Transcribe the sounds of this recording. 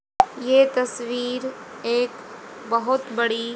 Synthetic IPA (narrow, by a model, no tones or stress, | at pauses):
jeːt̪ɐsʋiːɾeːkbɐɦʊt̪bɐɽi